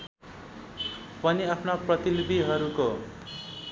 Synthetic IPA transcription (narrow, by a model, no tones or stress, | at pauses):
pʌniapʰnaprʌt̪ilbiɦʌɾuko